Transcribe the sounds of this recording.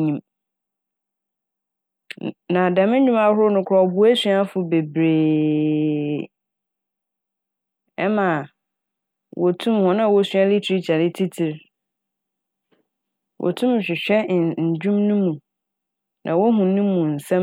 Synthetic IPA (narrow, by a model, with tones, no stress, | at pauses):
ɲĩ˨m | nã˨da˨mɪ̃˦ɲᶣũ˦ma˨˦ɦʊ˦ɾʊ˦nʊ̃˦kʰɔ˨bʊ˨˦e˦sɥa˦fʊ˨be˨bɾeː˨ | ɛ˦mã˨ | wʔɔ˨tʰũ˦mhɔ̃˦nã˦˨wɔ˦sɥã˦li˦tʰi˦t͡ɕʰa˨nɪ̃˦tʰi˦tʰi˨ɾ | wʔɔ̰˨tʰũ˦m˨ɕᶣɪ˨ɕᶣɛ˦ɲ̩˨d͡ʑᶣũ˦mnũ˦mũ˨ | nʔã˨wo˦ɦũ˨nũ˦mũ˨n̩˨sã˦